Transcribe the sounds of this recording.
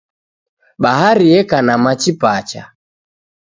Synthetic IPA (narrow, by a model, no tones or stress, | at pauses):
ɓaɦaɾiɛkanamat͡ʃipat͡ʃa̰